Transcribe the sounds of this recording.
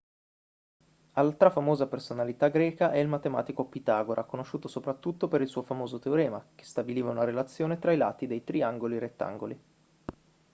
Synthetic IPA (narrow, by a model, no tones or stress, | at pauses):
alːat̪ɾafamoːzapersonalit̪aɡɾɛːkaʔɛilmat̪ema̰ːt̪ikopit̪aːɡoɾʔakːonoʃːuːt̪osopɾat̪ːut̪ːopeɾilsuːofamoːzot̪eoɾɛːmake̥st̪abiliːvaunaɾelat̪sːjoːnet̪ɾaila̰ːt̪id̪ejt̪ɾiaŋɡoliɾet̪ːa̰ŋɡo̰li